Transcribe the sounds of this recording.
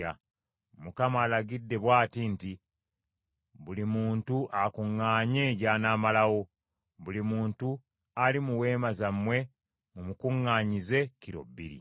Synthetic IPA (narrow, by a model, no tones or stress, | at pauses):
a̰ | mukamaːlaɡidːe̞βwaːtinti | βulimuːntuʔakuŋːaːɲe̞ɟaːnaːmalaɣo̞ | βulimuːntu | alimuwe̞ːmazamwe̞ | mumukuŋːaːɲize̞ciɾo̰bḭɾḭ